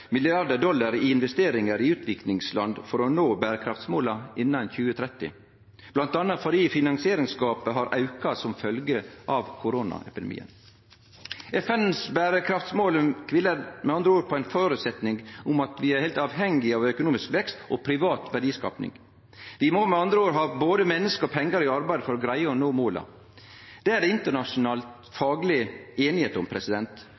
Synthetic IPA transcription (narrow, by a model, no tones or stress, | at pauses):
mɪlɪɑɾd̪əɖɔlːɑɾiɪnʋɛst̪eːɾɪŋəɾɪʉːt̪ʰʋɪklɪŋslɑnd̪fɔɾɔnoːbæːɾəkʰɾɑft̪smoːlɑɪnːɑnçʉːət̪ʰɾɛt̪ːɪ̰ | b̥lɑnt̪ɑnːɑt̪fɔɖiːfɪnɑŋsɪeːɾɪŋskɑːpəɦɑɾʔɑʉkɑsɔmfœlɡəʔɑʋkʰʊɾoːnɑ̰ʔɛ̰pɪd̪ɛ̰mḭːə̰n | ɛfɛnsbæːɾəkʰɾɑft̪smoːlkʰʋɪləɾmɛɑnd̪ɾəoːɾpʰɔæɪnfoːɾʉt̪sɛt̪nɪŋʊmɑt̪ʋɪæɾheɪlt̪ɑːʋɦɛŋːɪɑʋœkʊnuːmɪskʋɛkst̪ɔpʰɾɪʋɑːt̪ʋæɖiːskɑ̰ːpnɪ̰ŋ | d̪ɪmɔmɛɑnd̪ɾəoːɾɦɑːboːd̪əmɛnːəskəɾɔpʰɛŋːəɾɪɑɾbæɪd̪əfɔɾɔɡɾæɪəɔnoːmoːlɑ̰ | d̪̥ɛæɾɖɛɪnt̪əɳɑʂʊnɑːlt̪ | fɑːɡlɪeːnɪheːt̪ʊmpʰɾɛsɪd̪ɛnt̪